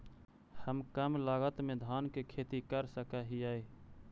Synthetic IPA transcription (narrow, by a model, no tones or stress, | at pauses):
həmkəmlaːɡət̪mẽd̪ʱaːnkekʰeːt̪ikəɾsəkaɦiaːe